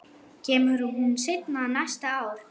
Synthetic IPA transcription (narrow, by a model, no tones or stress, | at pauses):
cʰɛːmʏɾʏɦunsɪknanajst̪aaːwɾ